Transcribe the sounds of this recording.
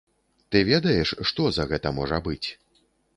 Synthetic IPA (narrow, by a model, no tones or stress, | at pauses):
t̪ɨvʲed̪ɐjɛʂʂt̪ɔzɐɣɛt̪ɐmɔʐɐbɨt͡sʲ